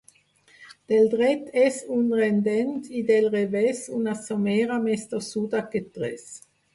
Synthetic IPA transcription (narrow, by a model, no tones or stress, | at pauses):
d̪̥eld̪ʁɛt̪ʰɛsunʁɛnd̪ɛnt̪id̪elʁevɛsunasomɛːʁamɛst̪əsud̪aket̪ʁɛ̰s